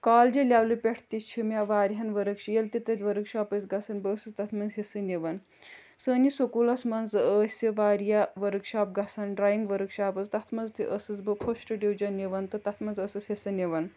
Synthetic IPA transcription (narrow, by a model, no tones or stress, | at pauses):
kaːld͡ʒelʲawlɨpʲeʈʰt̪it͡ʃʰimʲjaʋaːɾɦɐnʋɐɾəkʃijelt̪it̪ɐt̪ʲʋɐɾəkʃaːpət͡sɡɐsɐnbəːsɨst̪ɐt̪ʰmɐnzɦesɨneʋɐn | səːnisokulɐsmɐnzəːsʲɐʋaːɾjaʋɐɾəkʃaːp̚ɡɐsanɖɾaːjiŋɡʋəɾəkʃaːbɐzt̪ɐt̪ʰmɐnd͡zt̪iʔəsɐt͡sbɨpʰoʃʈɨɖiwd͡ʒɐneʋɐnt̪ɨt̪ɐt̪ʰmɐnzəsɐsɦesɨnʲeʋɐn